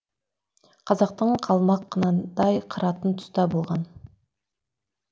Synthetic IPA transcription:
qʰɑzɑqt̪əɴqʰɑlˠmɑqːənɑd̪ɑjqʰəɾɑt̪ənt̪ʰʊ̥st̪ɑbo̞lˠʁɑn

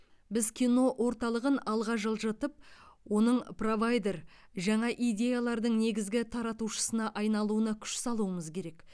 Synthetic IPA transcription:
bɪzkʲʰijno̞ʔwo̞ɾt̪ɑlˠəʁənɑlˠʁɑʒəlˠʒət̪əp̚wo̞nəɴpro̞vajd̪e̞r | ʒɑɴɑʔijd̪ʲe̞jalˠɑɾd̪əɴne̞ɡʲɪzɡʲɪt̪ʰɑɾɑt̪uʃə̥sənɑʔɑjnɑlˠuənɑkʲʰʏ̥ʃsɑlˠuəməzkʲʰe̞ɾe̞k

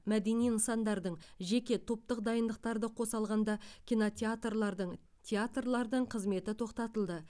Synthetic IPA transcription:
mæd̪e̞nijnəsɑnd̪ɑɾd̪əɴʒe̞kʲe̞t̪ʰo̞p̚t̪əqd̪ɑjənd̪əq̚t̪ɑɾd̪əqʰo̞sɑlˠʁɑnd̪ɑkʲʰinot̪ʲeat̪rlˠɑɾd̪əɴ | t̪ʲʰeat̪rlˠɑɾd̪əɴqʰəzme̞t̪ɪt̪ʰo̞qt̪ɑt̪əlˠd̪ə

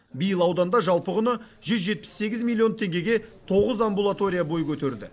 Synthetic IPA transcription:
bijəlˠɑwd̪ɑnd̪ɑʒɑlˠpəʁʊnə | ʒʏzʒe̞t̪̚pɪ̥sːe̞ɡʲɪzmʲilˠio̞nt̪ʰe̞ŋɡʲe̞ɡʲe̞t̪ʰo̞ʁəzambulˠat̪o̞ɾʲijabo̞jkʲʰɵt̪e̞ɾd̪ɪ̰

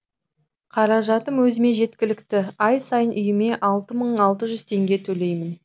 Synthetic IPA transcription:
qʰɑɾɑʒɑt̪əmwɵzɪme̞ʒe̞t̪kʲɪlɪkt̪ɪɑjsɑjənʔʏjɪme̞ʔɑlˠt̪əməɴɑlˠt̪əʒʏz̥t̪ʰe̞ŋɡʲe̞t̪ʰɵle̞jmɪn

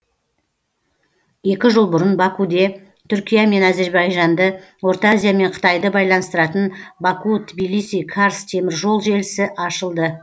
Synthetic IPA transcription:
je̞kʲɪʒəlˠbʊɾənbɑkud̪e̞ | t̪ʰʏɾkʲijame̞næze̞ɾbɑjʒɑnd̪əwo̞ɾt̪azʲijame̞ɴqʰə̥t̪ɑjd̪əbɑjlˠɑnəst̪əɾɑt̪ənbɑkut̪bijlˠijsʲijkʰaɾst̪ʰe̞mɪɾʒo̞lˠʒe̞lɪsɪʔɑʃəlˠd̪ə

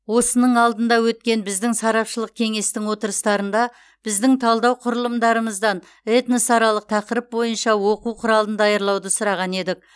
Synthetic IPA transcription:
wo̞sənəɴɑlˠd̪ənd̪ɑwɵt̪kʲe̞nbɪzd̪ɪŋsɑɾɑpʃəlˠəq̚kʲʰe̞ŋe̞st̪ɪŋwo̞t̪əɾəst̪ɑɾənd̪ɑ | b̥ɪzd̪ɪŋt̪ʰɑlˠd̪ɑwqʰʊɾəlˠəmd̪ɑɾəməzd̪ɑn | et̪nəsɑɾɑlˠəq̚t̪ʰɑqəɾəp̚bo̞jənʃɑwo̞quwqʰʊɾɑlˠənd̪ɑjɑɾlˠɑwd̪əsʊɾɑʁɑne̞d̪ɪk̚

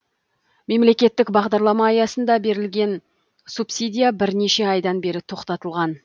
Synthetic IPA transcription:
me̞mle̞kʲe̞t̪ːɪkbɑʁd̪ɑɾlˠɑmɑːjɑsənd̪ɑbe̞ɾɪlɡʲe̞n | supsijd̪ʲijabɪɾne̞ʃe̞ɑjd̪ɑnbe̞ɾɪt̪ʰo̞qt̪ɑt̪əlˠʁɑn

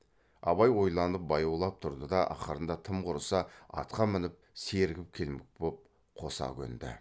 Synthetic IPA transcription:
ɑβɑjwo̞jlˠɑnəp̚bɑjuwlˠɑp̚t̪ʰʊɾd̪əd̪ɑʔɑ̰χəɾənd̪ɑt̪ʰəmqʰʊɾəsɑɑ̰t̪qɑmɪnɪp̚se̞ɾɡʲɪp̚kʲʰe̞lmɪk̚bop̚ | qʰo̞sɑ̰kʲʰɵ̰nd̪ɪ̰

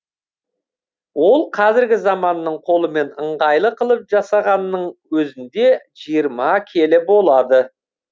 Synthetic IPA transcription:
wo̞lˠqʰɑzɪɾɡʲɪzɑmɑnːəɴqʰo̞lˠəme̞nəɴʁɑjlˠəqʰəlˠəp̚ʒɑsɑʁɑnːəɴwɵzɪnd̪e̞ʒijəɾmɑkʲʰe̞lɪbo̞lˠɑd̪ə

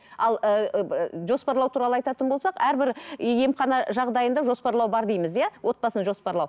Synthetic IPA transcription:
ɑlˠəʒo̞spɑɾlˠɑwt̪ʰuɾɑlˠəɑjt̪ɑt̪ənbolsɑqæɾbɪɾje̞mχɑnɑʒɑʁd̪ɑjənd̪ɑʒo̞spɑɾlˠɑwbɑɾd̪ijməzjɑwʔo̞t̪̚pɑsənʒo̞spɑɾlˠɑw

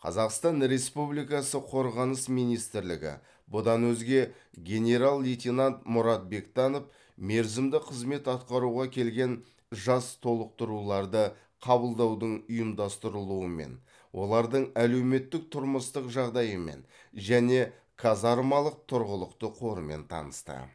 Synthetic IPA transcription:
qʰɑ̰zɑqst̪ɑnɾe̞spublijkɑsəqʰo̞ɾʁɑnəsmijnijst̪ɪɾlɪɡʲɪ̰ | bʊd̪ɑnwɵzɡʲe̞ | ɡʲe̞nʲe̞ɾalˠːijt̪ʲinant̪mʊɾɑt̪̚be̞kt̪ɑno̞f | me̞ɾzɪmd̪ɪqʰəzme̞t̪ɑt̪̚qɑɾuʁɑkʲʰe̞lɡʲe̞n | ʒɑst̪ʰo̞lˠəq̚t̪əɾulˠɑɾd̪ə | qʰɑbəlˠd̪ɑwd̪əɴʊjəmd̪ɑst̪əɾəlˠuəme̞̰n | wʔo̞̰lˠɑɾd̪əɴæle̞wme̞t̪ːɪk̚t̪ʰʊɾməst̪əqʒɑʁd̪ɑjəme̞̰n | ʒæne̞ | kʰazɑɾmɑlˠəq̚t̪ʰʊɾʁəlˠəqt̪əqʰo̞ɾəme̞̰nt̪ʰɑ̰nəst̪ə̰

